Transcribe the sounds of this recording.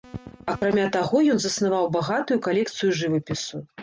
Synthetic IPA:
akɾamʲat̪aɣɔjɔnzɐsnavawbaɣat̪ujukalʲɛkt̪sɨjuʐɨvɨpʲisu

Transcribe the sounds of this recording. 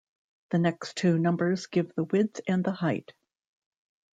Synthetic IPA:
ðɨnɛkstʰʉnʌ̃mbə˞zɡɪvðəwɪdz̥ɨ̃nðəhaɪt̚

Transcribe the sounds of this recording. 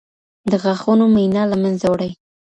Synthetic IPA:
d̪əɣaxunomajnɑlamanzawɽaj

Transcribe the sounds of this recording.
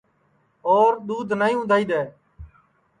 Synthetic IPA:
oːɾɗ̪uːd̪ʱnaːĩːʊ̃nd̪ʱaːiːɗ̪eː

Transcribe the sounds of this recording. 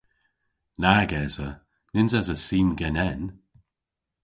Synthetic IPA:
naɡɛːzə | nɪnzazəsiːnɡɛnɛn

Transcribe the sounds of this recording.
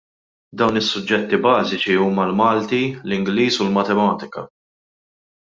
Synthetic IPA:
d̪ɐwnɪsːʊd͡ʒːɛt̪ːibɐːzɪt͡ʃiuːmɐlmɐːlt̪ilɪŋɡliːsulmɐt̪ɛmɐːt̪ɪ̥kɐ̰

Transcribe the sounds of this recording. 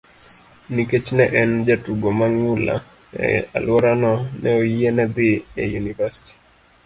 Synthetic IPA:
niket͡ʃnɛʔɛnd͡ʒatuɡomaŋula̰ | a̰lwɔɾanɔnɛoienɛd̪iɛjunivasi̥ti̥

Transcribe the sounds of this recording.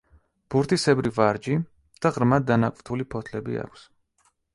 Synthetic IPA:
b̥uɾt̪ʰisɛbɾivaɾd͡ʒi | d̪̥aʁɾmad̪d̪ːanakʼvt̪ʰulipʰɔt̪ʰlɛbḭa̰kʷʰs

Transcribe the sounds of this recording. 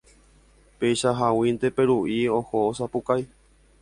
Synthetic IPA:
pejʃaɦawĩnd̪epe̞ɾuʔiõhoosapukaj

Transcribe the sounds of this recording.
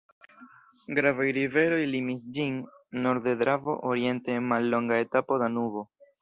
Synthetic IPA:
ɡɾavajɾive̞ɾo̞jlimisd͡ʒinː | o̞ɾde̞d̪ɾavo̞̰ʔoɾie̞ntenmalːo̞ŋɡae̞tapo̞danubo̞

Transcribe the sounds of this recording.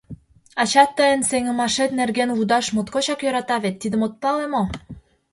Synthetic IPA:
ɑt͡ɕɑt̪ːəjənseŋə̆mɑʃet̪̚nerɣenβud̪ɑʃmot̪kot͡ɕɑkjøɾɑt̪ɑβet̪ːid̪ə̆mot̪̚pɑlemo

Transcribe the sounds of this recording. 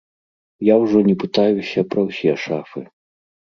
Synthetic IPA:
jawʐɔnʲɛpɨt̪ajusʲɐpɾɐwsʲɛɛʂafɨ

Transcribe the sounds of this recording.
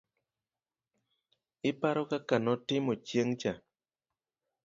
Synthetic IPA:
ipaɾɔkakanɔtɪmɔt͡ʃjeŋt͡ʃa

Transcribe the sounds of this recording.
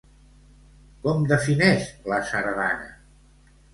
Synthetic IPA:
kɔmd̪əfinɛʃləsəɾðanə̰

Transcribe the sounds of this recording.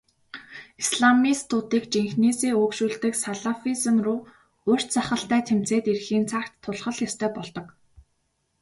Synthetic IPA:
isɮamiːst̪ʰʊːt̪iːkt͡ɕiŋxniːsiːʊːkʃuːɮt̪ɘ̆ksaɮafisɘ̆mrʊː | ʊr̥t̪t͡saχə̆ɬt̪æːt̪ʰem̥t͡seːt̪irxiːnt͡sʰakt̪ʰːʊɮχə̆ɮjast̪ʰœːpɔɮt̪ɞ̆k

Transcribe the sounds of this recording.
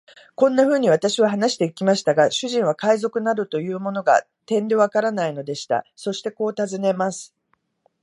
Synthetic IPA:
kõ̞nːaɸɯ̟ːɲ̟iβ̞at̪aɕiβaɦanaɕi̥t̪e̞ikʲimaɕi̥t̪aɡaɕɨʑĩɰ̃β̞akaizo̞kɯ̟naɾɯ̟t̪o̞jɯ̟ːmo̞no̞ɡa̰ | t̪ẽ̞nd̪e̞β̞akaɾanaino̞d̪e̞ɕi̥t̪a̰so̞ɕi̥t̪e̞ko̞ːt̪azɨne̞masɨ̥

